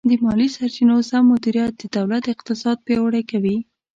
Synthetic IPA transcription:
d̪əmɑlisaɾt͡ʃinosamːʊd̪iɾijat̪̚d̪əd̪awlat̪əɪq̚t̪ɪsɑd̪̚pewəɽajkawi

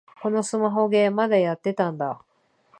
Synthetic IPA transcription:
ko̞no̞sɨmaɦo̞ɡe̞ːmad̪ajat̪ːe̞t̪ãnd̪a

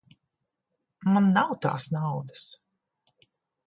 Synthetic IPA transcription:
manːawt̪a̰ːsnawd̪as

